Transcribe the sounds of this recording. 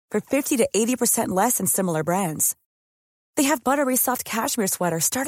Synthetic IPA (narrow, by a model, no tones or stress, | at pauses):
fə̃˞fɪftiɾɨʔeɪɾipʰə˞sɛ̃nʔˡlɛsɨ̃n̩sɪ̃ml̩ˠə˞bɹæ̃ndz̥ | ðeɪɨvbʌɾə˞isɑft̚kʰæʃmɪɹswɛɾə˞stɑɹɾ